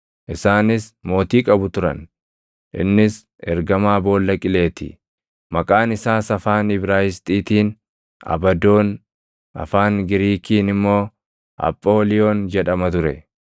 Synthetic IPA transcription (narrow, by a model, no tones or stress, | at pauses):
ʔɪsaːnɪsmo̞ːt̪iːkʼɐbʊt̪ʊɾɐ̰n | ʔɪ̰nːɪs | ɛɾɡɐmaːbo̞ːlːɐkʼɪle̞ːt̪ɪ̰ | mɐkʼaːnɪsaːsɐfaːnɪbɾaːjɪst̪ʼiːt̪iːn | ɐ̰bɐd̪o̞ːn | ɐ̰faːŋɡɪɾiːkiːnɪmːo̞ː | ʔɐ̰pʼːo̞ːlɪjo̞ːnd͡ʒɛᶑɐmɐt̪ʊɾɛ̰